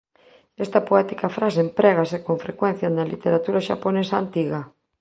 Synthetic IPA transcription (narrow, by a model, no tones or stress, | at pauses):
ɛst̪ɐpoɛt̪ikafɾas̬empɾɛɣasekõɱfɾekwɛn̟θjanɐlḭt̪eɾat̪uɾaʃa̰ponesant̪iɣa